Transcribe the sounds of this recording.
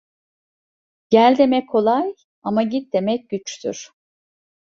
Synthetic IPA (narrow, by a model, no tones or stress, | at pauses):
ɟ̥ælʲd̪e̞mɛcʰo̞lˠaj | amaɟit̪̚d̪e̞mɛc̚ɟ̥yt͡ʃt̪ʰy̰ɾ̥